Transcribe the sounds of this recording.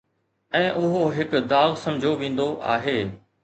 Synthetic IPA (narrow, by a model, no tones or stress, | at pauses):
ɛ̃ːʔʊɦoɦɪkd̪aːɣsɐ̃md͡ʑʱoʋẽːn̆d̪oʔa̰ːɦeː